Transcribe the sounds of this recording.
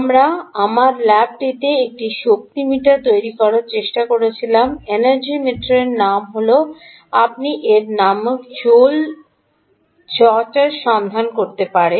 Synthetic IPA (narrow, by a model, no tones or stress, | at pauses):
amɾaamaɾlɛb̚ʈit̪eek̚ʈiʃok̚t̪imiʈaɾt̪ojɾikɔɾaɾt͡ɕeʃʈakoɾet͡ɕʰilamenaɾd͡ʑimeʈoɾeɾnamɦolo | ap̚niʔeɾnamkt͡ɕol | t͡ɕɔt͡ɕaɾʃɔnd̪ʱankoɾt̪epaɾe